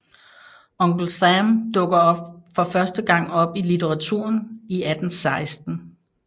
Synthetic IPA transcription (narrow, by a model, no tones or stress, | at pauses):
ɔŋɡ̥l̩sæmd̥ɔ̽ɡ̥ɐɒ̽b̥fɒ̽fɶɐsd̥əɡ̥ɑ̈ŋ̰ɒ̽b̥ilit͡sʰeʁɑ̈t͡sʰṵɐ̰niæd̥n̩sɑ̈ɪsd̥n̩